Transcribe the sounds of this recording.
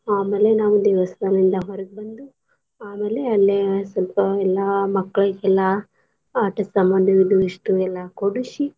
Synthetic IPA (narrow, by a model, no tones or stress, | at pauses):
aːmeːlːenaːʋud̪iːʋɐsɐd̪ɐlind̪ɐɦɔɾɐɡ̚bɐnd̪u | aːmeːleɐlːesɐlpɐɛlːaːmɐkːɐɭɐkɛlːa | aːʈɐssɐmbɐnd̪ʱiʋid̪uiʂʈuɛlːaːkoɽuʃi